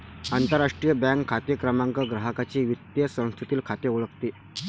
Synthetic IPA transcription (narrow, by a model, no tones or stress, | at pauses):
ant̪əɾːaʂʈɾijəbãŋkʰːat̪jəkɾəmaŋkəɡɾaɦəkat͡ɕiːʋit̪jəsə̃w̃st̪ʰit̪iːlkʰat̪euɭəkt̪e